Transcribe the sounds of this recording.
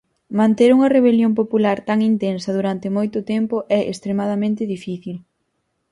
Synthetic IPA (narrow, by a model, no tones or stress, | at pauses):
mãnt̪eɾuŋɐreβ̞eljomp̬opulaɾt̪aŋint̪ensɐðuɾant̪ɪmojt̪ʊt̪ɛmpʊʔɛʔḛst̪ɾemaðɐmẽnt̪ɪðifiθil